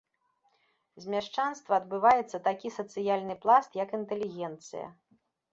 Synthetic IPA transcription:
zʲmʲaʂt͡ʂanst̪vɐːd̪bɨvajɛt̪sːɐt̪akʲisɐt̪sɨjalʲnɨplˠast̪jɐkint̪ɛlʲiɣʲɛnt̪sɨ̰jɐ̰

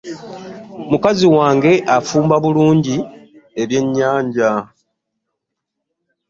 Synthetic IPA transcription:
mukaziwaːŋɡe̞ʔafuːmbaβuluːɲɟie̞βje̞ɲːaːɲɟa

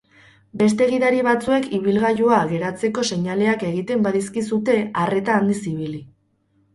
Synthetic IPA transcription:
be̞s̬t̪e̞ɣ̞iðaɾiβat͡sue̞kʰiβ̞ilɣaʝuaɣe̞ɾat͡se̞ko̞se̞ɲale̞ake̞ɣ̞it̪e̞mbaðiskisut̪e̞are̞t̪aːnd̪isiβ̞ili

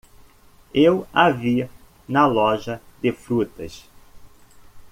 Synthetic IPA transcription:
ewavi | nɐlɔʒɐd̪ɪfɾut̪ɐ̰s

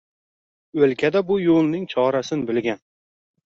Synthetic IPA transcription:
ɵlkʲʰad̪abʊjolˠnɪŋt͡ʃʰɒɾasɪnbɪlɡʲan

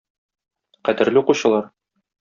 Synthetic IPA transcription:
qæd̪ɘ̆ɾlɘuquɕɤ̆lˠɑɾ

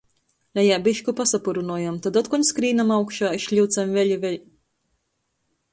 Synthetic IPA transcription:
lajabiʃkupasapuɾunuɔjamt̪ad̪ɔt̪̚kɔɲskɾiːnamawkʃaːiʃʎʲiwt̪samvʲɛlʲivʲɛlʲ

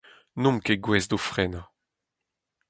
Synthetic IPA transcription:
nɔ̃mkeɡwɛzdofʁɛna

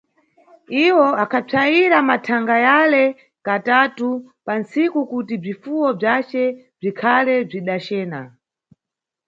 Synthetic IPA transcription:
iwɔakʰap͡ʂʰaiɾamatʰaŋɡajalɛ | katatupansikukutib͡ʐifuwɔb͡ʐat͡ʃɛ | b͡ʐikʰalɛb͡ʐiɗat͡ʃɛːna̰

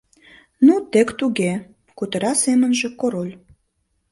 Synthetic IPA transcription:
nut̪ekt̪uɣe | kut̪əɾɑsemə̆nʒĕkoɾolʲ

